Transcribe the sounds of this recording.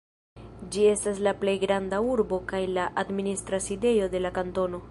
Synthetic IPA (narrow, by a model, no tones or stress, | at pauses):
d͡ʒie̞staslaple̞jɡɾandauɾbo̞kajlaʔadministɾaside̞jo̞de̞lakanto̞no̞